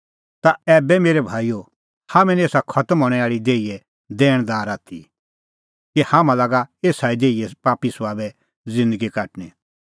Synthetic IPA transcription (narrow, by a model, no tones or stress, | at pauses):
t̪aɛːbɛmeːɾɛbʱaːijo | hamɛ̃nieːsakʰɐt̪əmɦoɽ̃ɛaːɭid̪eːijɛ | d̪ɛːɽ̃d̪aːɾaːt̪ʰḭ | kihãmãlaɡaeːsaid̪eːijɛpaːpisʋaːbɛ | zɪ̃nd̪əɡikaːʈnɛ